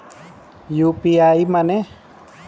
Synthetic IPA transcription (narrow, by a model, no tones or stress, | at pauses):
jupiaimane